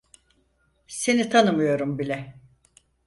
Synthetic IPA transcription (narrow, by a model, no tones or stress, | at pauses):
se̞nit̪ʰanɯmɯjo̞ɾumbilʲɛ